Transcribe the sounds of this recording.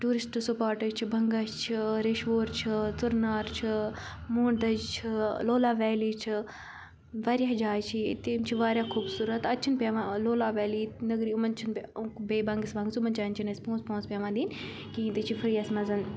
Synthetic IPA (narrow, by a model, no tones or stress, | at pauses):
ʈuːɾisʈsupaːɾʈɐt͡ʃʰibʱɐŋɡaʃt͡ʃʰiɾeːʃʋoːɾt͡ʃʰit͡sʊɾnaːɾt͡ʃʰi | muːɳd̪ɐd͡ʒt͡ʃʰiloːlaːʋɛːliːt͡ʃʰi | ʋaːɾʲjaːd͡ʒaːjt͡ʃʰit̪iːmt͡ʃʰiʋaːɾjaːkʰuːbsuːɾɐt̪ɐt̪ːt͡ʃʰinpʲeːʋãːloːlaːʋɛːliːnɐɡɾiːʊmɐnt͡ʃʰinpʲekbeːbɐŋɡisʋɐ̃ŋɡsumɐnt͡ʃaːnt͡ʃʰinɐspõːnspõːnspʲeːʋãːd̪iːn | kiːnt̪it͡ʃʰifʰɐɾijasmɐzɐn